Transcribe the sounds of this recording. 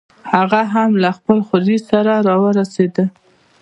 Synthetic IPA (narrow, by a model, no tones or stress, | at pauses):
haɣaɦamlaxpəlxozisaɾaɾɑwəɾased̪ə